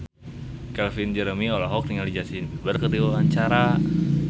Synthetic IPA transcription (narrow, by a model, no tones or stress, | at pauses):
kɛlfind͡ʒɛɾəmiɔlaɦɔk̚ɾiŋalid͡ʒasinbərkətiwaaɲt͡ʃaɾa